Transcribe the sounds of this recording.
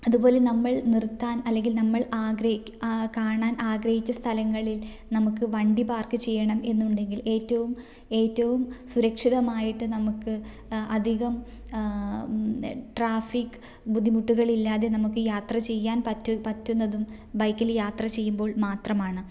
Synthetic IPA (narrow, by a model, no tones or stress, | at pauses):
ɐðubo̞ːle̞nɐmːɐɭnirt̪ːaːnɐlːe̞ŋɡilnɐmːɐɭaːɡɾɐ | kaːɳaːnʔaːɡɾɐhit͡ɕːɐst̪ʰɐlɐŋːɐɭil | nɐmukːɨʋɐɳɖibaːrkɨt͡ɕe̞jːɐɳɐme̞nːuɳɖe̞ŋɡile̞ːtːɐʋum | e̞ːtːɐʋumsuɾɐkʂiðɐmaːjiʈːɨnɐmukːɨ | ɐd̪ʱiɣɐm | ʈraːfikːɨ | bud̪ʱːimuʈːuɣɐɭilːaːðe̞nɐmukːɨjaːt̪rɐt͡ɕe̞jːaːnpɐtːupɐtːunːɐðum | bɐjkːɐljaːt̪rɐt͡ɕe̞jːumbo̞ːɭmaːt̪rɐmaːɳɨ